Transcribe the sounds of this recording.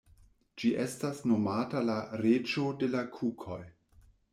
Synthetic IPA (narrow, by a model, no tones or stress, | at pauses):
d͡ʒiʔestasnomatalaɾed͡ʒo̞de̞lakʰukʰo̞j